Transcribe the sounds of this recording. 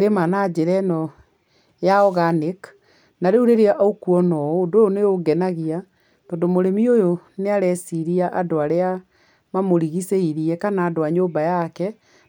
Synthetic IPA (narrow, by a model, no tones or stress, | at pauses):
ɾemanad͡ʒeɾɛnɔ | jaɔɣanek | naɾeuɾeɾeaʔaukuɔnɔːdojoneoɡɛnaɣia | t̪ɔːndomoɾemiojoneaɾɛsiɾiaʔadoaɾea | mamoɾiɣiseiɾiɛkanaːdoaɲoːmbajakɛ